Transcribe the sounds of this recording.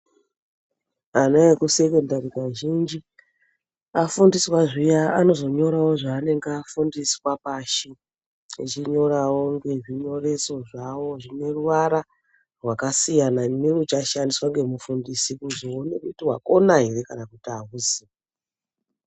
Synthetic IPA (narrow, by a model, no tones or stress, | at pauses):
anajekuse̞kondarikaʒind͡ʒi | afundiswaʐijaano̞zo̞ɲo̞ɾawo̞ʐaːne̞ŋɡafundiswapaʃi | it͡ʃiɲo̞rawo̞ŋɡe̞ʐiɲo̞re̞so̞ʐawo̞ʐine̞ruʋaɾa | rwakasijanamirut͡ʃaʃandiswaŋɡe̞mufundisikuzoonekutiɦwa̰ko̞naɦeɾe̞kanakutiaɦuzia